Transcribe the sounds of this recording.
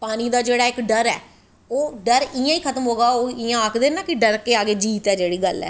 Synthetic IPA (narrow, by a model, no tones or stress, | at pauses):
paːniːd̪aːd͡ʒeːɽaːɪkɖəɾɛː | oːɖəɾɪjãːiːkʰət̪əmɦoːɡaːoːɪjãːəkʰd̪eːnaːkɪɖəɾkeːaːɡeːd͡ʒiːt̪ɛːd͡ʒeːɽiːɡəlɛ̰ː